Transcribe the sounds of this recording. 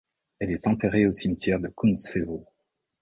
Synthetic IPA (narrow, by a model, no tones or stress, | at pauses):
ɛlɛt̪ɑ̃t̪eʁeosimt̪jɛʁd̪əkʰunsevo